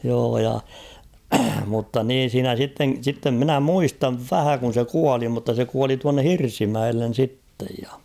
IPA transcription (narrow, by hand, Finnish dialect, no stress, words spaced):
joː jɑ mutːɑ niːn̞ siːnæ sitːen̞ sitːem minæ muistɑʋ ʋæhæ kun̞ se kuɑli mutːɑ se kuɑli tuɑnːe hirsimæelːen̞ sitːej jɑ